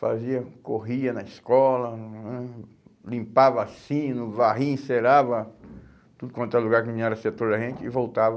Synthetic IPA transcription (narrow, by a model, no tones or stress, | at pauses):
fa̰ziɐkoɦiɐnɐiskɔlɐ̃ | lĩmpavasĩnʊvaɦĩĩseɾavɐ | t̪ud̪ʊkwɐ̃nt̪aluɡaɾkɪmĩɲaɾɐseɐt̪oleɦẽnt͡ʃɪɪvowt̪avɐ